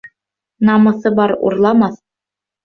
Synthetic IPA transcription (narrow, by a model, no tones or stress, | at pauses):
nɑmɤ̆sɤbɑɾṵrlˠɑmɑθ